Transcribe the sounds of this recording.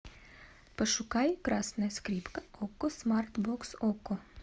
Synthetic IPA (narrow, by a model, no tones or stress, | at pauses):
pɐʃʊkɑjkɾɑsnɐskɾʲipkɐɔkʊsmart̪bɔksɔkʊ